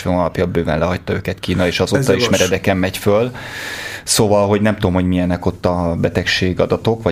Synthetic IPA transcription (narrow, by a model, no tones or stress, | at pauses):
føːnɒlɒpjɒbøːvɛ̰nlɛɦɒct̪ɒøːkɛt̪kiːnɒeːʃɒzot̪ɒiʃmɛɾɛd̪ɛkɛmːɛɟføl | soːvɒlɦo̞ɟnɛmt̪uomho̞ɟmijɛnɛko̞t̪ːɒbɛt̪ɛkʃeːɡɒd̪ɒt̪o̞kʋɒ